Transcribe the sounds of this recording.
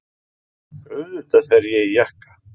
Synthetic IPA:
œðʏht̪aθɛɾjɛijɛhkḁ

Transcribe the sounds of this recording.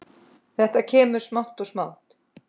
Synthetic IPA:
θɛht̪acʰɛːmʏɾ̥smawht̪ɔsmawht̪

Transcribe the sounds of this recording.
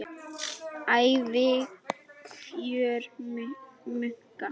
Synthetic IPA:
ajvɪɣfjœːɾ | mʏŋ̥ka

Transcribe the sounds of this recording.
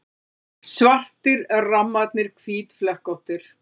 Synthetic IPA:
svar̥t̪ɪɾɛɾramːat̪nɪɾkʰviːt̪flɛhkowht̪ɪɾ̥

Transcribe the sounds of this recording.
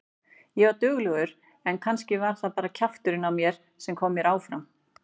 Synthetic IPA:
jɛvaɾt̪ʏːɣlœɣʏɾ̥ | ɛnkʰanscɪvaɾ̥θapaːɾacʰaft̪ʏɾɪnawmjɛɾ̥ | sɛmkʰɔːmːjɛɾaːwfɾam

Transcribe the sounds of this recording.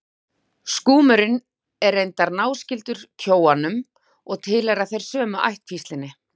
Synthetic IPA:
skuːmʏɾɪn | ɛɾejnt̪aɾnaːwscɪlt̪ʏɾ̥cʰoːwanʏm | ɔɣt̪ʰɪːlaɾaðθejɾ̥sœːmʏʔa̰jht̪fist̪lɪnːɪ

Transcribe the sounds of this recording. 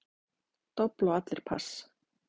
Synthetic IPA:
t̪ɔplawat̪lɪɾ̥pʰa̰s

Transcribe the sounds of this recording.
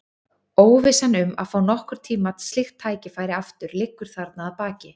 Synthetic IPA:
oːwvɪsanʏma̰ðfaːwnɔhkʏɾ̥t̪ʰiːmat̪st̪lɪxt̪ʰːaːjcɪfaːjɾɪaft̪ʏɾlɪkːʏɾ̥θaɾt̪naðːðpaːcɪ

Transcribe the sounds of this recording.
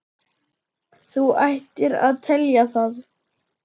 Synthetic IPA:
θuajht̪ɪɾa̰ðt̪ʰɛljaθað

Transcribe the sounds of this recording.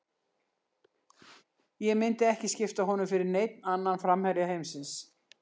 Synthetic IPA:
jɛmɪnt̪ɪɛhcɪscɪft̪aɦɔnʏmfɪɾɪɾnejt̪nanːanfɾamhɛɾjaɦejmsɪns

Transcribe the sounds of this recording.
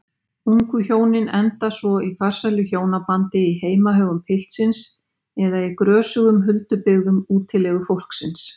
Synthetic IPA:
uŋkʏçjoːwnɪnɛnt̪asvɔifar̥salʏçjoːwnapant̪ɪiɦeːjmaɦœːɣʏmpʰɪl̥t̪sɪns | ɛðaikɾœːsʏɣʏmɦʏlt̪ʏpɪɣðʏmuːt̪ʰɪlɛɣʏfowl̥ksɪns

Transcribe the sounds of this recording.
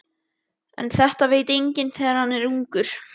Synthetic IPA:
ɛ̰nθɛht̪aveːjt̪ejɲcɪnθɛːɣaɾ̥hanːɛɾuŋkʏɾ̥

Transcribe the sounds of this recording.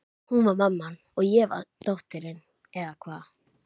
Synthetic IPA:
hunvaɾmamːan | ɔɣjɛva̰t̪ɔht̪ʏɾɪn | ɛðakʰvaːð

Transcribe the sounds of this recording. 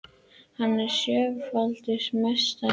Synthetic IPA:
hanːaɾ̥sjœːvfalt̪ɪɾ̥mɛst̪a

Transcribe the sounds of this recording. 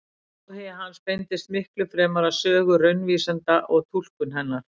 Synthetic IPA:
hɛɦanːspejnt̪ɪst̪mɪhklʏfɾɛːmaɾasœːɣʏrœɥnviːsant̪aʔɔɣt̪ʰul̥kʏnɦɛnːaɾ̥

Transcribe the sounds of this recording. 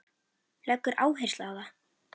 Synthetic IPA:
lɛkːʏɾʔa̰ːwɦejr̥st̪laawða

